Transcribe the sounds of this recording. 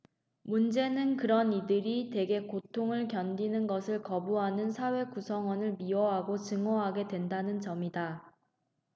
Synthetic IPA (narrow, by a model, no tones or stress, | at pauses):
mund͡ʑe̞nɯnkɯɾʌnidɯɾite̞ɡe̞kotʰoŋɯɭkjʌndinɯnɡʌsʰɯɭkʌbuɦanɯnsʰawe̞kusʰʌŋwʌnɯɭmiʌɦaɡot͡ɕɯŋʌɦaɡe̞dwe̞ndanɯnt͡ɕʌmida